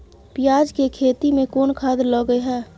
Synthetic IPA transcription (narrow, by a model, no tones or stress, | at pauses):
pɪjaːd͡ʒkekʰeːt̪imẽkoːnkʰaːd̪ləɡəeɦɛː